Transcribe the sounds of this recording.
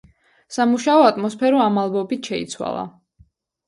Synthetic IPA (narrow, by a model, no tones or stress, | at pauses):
samuʃaɔat̪ʼmɔspʰɛɾɔamalˠbɔbit̪ʰʃɛḭt̪sʰwa̰lˠa̰